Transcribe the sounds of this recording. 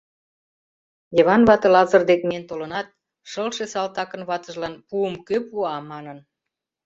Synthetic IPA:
jəβɑnβɑt̪ɤ̆lɑzərd̪ekment̪olənɑt̪̚ | ʃəlʃesɑlt̪ɑkənβɑt̪ə̆ʒlɑnpuəmkøpuɑmɑnən

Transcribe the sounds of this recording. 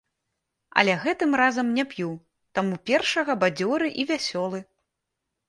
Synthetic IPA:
ɐ̰lʲɛɣɛt̪ɨmrazɐmnʲɛpju | t̪amupʲɛrʂɐɣɐbad͡zʲɔɾɨʔivʲasʲɔlˠɨ

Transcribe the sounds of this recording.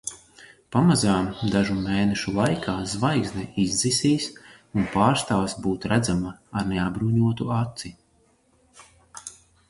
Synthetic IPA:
pamazaːmd̪aʒumeːnɛʃulˠajkʰaːzvajɡznɛizd̪zisiːs | unpaːɾst̪aːvsbuːt̪ɾæd̪zamaːɾneabɾuːɲuɔt̪uat̪si

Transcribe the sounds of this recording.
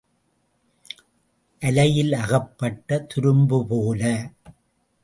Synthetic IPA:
ʔɐlɐjɪlɐɣɐpːɐʈːɐt̪ʊɾɯmbɯpoːlɐ

